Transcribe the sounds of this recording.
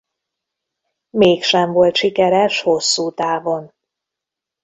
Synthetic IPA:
meːkʃɛɱvo̞lt̪ʃikɛɾɛʃho̞sːuːt̪aːvo̞n

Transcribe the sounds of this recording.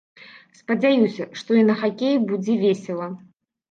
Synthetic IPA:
spɐd͡zʲajusʲɐʂt̪ɔinɐxakʲejubud͡zʲɛvʲesʲɛlˠɐ

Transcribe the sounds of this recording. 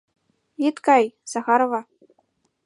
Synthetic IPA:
it̪kɑjz̥ɑxɑɾovɑ

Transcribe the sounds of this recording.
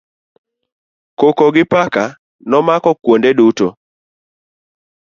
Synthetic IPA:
kokoɡɪpaka | nɔmakɔkwondeduto

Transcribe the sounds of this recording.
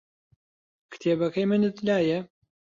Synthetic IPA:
kʰɨ̥t̪ʰeːbɐkɐjmɨnɨt̪laːjɐ

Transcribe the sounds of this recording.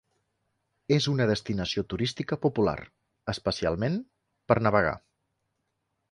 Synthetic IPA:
ezunəðəst̪inəsiot̪uɾist̪ikəpupula̰ɾ | əspəsia̰lˠmen | pəɾnəβəɣ̞a̰

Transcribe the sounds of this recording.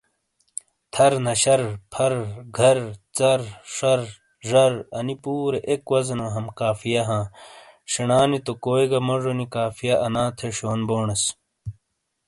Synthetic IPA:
t̪ʰɐɾnɐɕɐɾpʰɐɾɡʱɐɾt͡sɐɾʂɐɾ | ʐɐɾɐnipuːɾeʔekwɐzɐnoɦɐmkaːfijɐɦãː | ʂinaːnit̪okoːiɡɐmoʐonikaːfijɐʔɐnãːt̪ʰeɕoːnboːɳɐs

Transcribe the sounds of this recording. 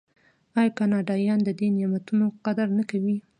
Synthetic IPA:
ɑjkɑnɑɖɑjɑnd̪əd̪enjamat̪unoqad̪aɾnakawi

